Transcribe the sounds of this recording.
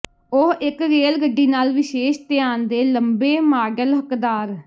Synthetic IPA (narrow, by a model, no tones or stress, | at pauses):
ʊɦɪkɾeːlɡəɖːiːnaːlʋɪʃeːʃt̪ɪjaːnd̪eːləmbeːmaːɖəlɦəkd̪aːɾ